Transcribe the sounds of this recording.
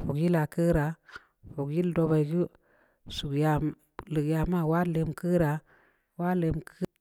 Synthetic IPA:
fo˨kji˦la˨kə˦ɾa˨ | fo˨kji˦ldo˧ba˨jɡi˦ | su˨kja˨ | lɨ˨kja˨ma˦˨wa˦le˧mkə˦ɾa˨ | wa˦le˧mk

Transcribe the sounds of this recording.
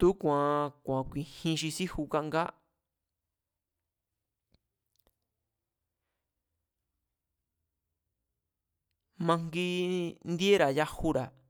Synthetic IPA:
t̪u˦kʷã˨kʷã˨kʷĩ˧hĩ˧ʃi˧si˦hu˧ka˦˧ʔŋɡa˦ | mã˧ŋɡi˦nd̪i˦e˦ɾa˨ja˦hu˦ɾa˨

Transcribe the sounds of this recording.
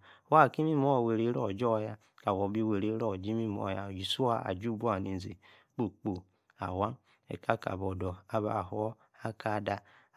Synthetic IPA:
wa˦˨ki˦mi˦mo˦˨we˨ɾe˨˦ɾɔ˦˨d͡ʒɔ˦˨ja˦ | ka˨wo˨˦bi˦we˨ɾe˨˦ɾɔ˦˨d͡ʒi˦mi˦˨mo̰˨ja˨d͡ʒi˨su˦a˦a̰˨d͡ʒu˦˨bu˦a˨ni˨n˨zi˨ | k͡po˦k͡po˨ | a̰˨wa˦n | ɛ̰˨ka˦ka̰˨bɔ˨dɔ˨a˨βa̰˨hu˨˦ | a˦ka˦˨da˨

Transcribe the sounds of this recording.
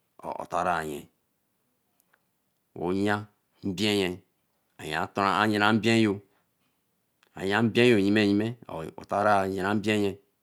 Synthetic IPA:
o̰˨o̰˨ta˨ɾa˨jḛ˨ | wo̰˨˦ɲ˦a˦ | m̩˦bi˦e˦je˨ | a˨j̰a˨to˨ɾa˨a˦ɲe˨na˨m̩˦bi˦e˦jo˨ | a̰˨ja˦m̩˦bẽ˦jo˨ji˦me˦˨ji˦mḛ˦˨o̰˨ta˦ɾa˦˨je˨a˨˦m̩˦be˦je˨

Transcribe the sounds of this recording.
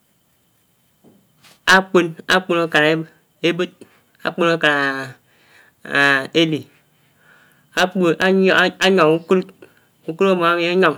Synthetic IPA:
a˦k͡pu˦na˦k͡pu˦no˦ka˨e˦ | e˦bɨ˦t̚ | a̰˨k͡pu˦no˦ka˨ | e˦li˨ | a˦˨˦a˦ɲɔ˨ŋu˦ku˦ɾt | u˦ku˦ɾo˦mo˨˦a˦ɲɔ˨ŋ

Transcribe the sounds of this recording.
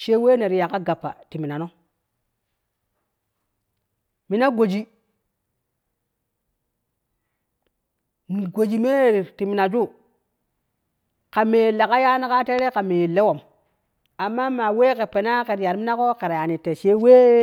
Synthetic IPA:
ʃe˦we˦ne˨ɾja˨ka˦ɡa˨pːa̰˨ti˨mi˨na˨no˦ | mi˦na˦ɡo˨d͡ʒi˨ | mi˨ɡo˨d͡ʒi˨me˦˨ɾi˨ti˨mi˨na˨d͡ʒu˦ | ka˨me˨le˨ka˦ja˦na˦ka˦te˦ɾe˦ka˨me˨le˦wo˨m | a˨mːa˦ma˨we˦ke˨pe˨na˦ke˨ɾja˨ɾmi˦na˦ko˦ka˨ɾa˨ja˨ni˨te˨ʃe˦we˦

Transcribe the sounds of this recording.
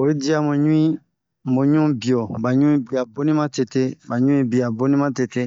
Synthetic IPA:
o˨i˦di˦a˦mo˨ɲũ˦ĩ˦ | m˨bo˨ɲũ˦bi˨ɔ˨ba˨ɲũ˦ĩ˦bi˨a˨bo˦nĩ˦mã˦te˨te˦ba˨ɲũ˦ĩ˦bi˨a˨bo˦nĩ˦mã˦te˨te˦

